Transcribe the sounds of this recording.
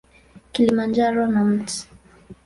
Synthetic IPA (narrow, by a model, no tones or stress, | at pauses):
kilimand͡ʒaɾɔnam̩ti̥